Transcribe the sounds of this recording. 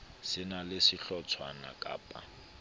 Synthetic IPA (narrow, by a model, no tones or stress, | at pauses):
sɪnalɪsɪɬɔt͡sʰwana̰kʼa̰ːpʼa̰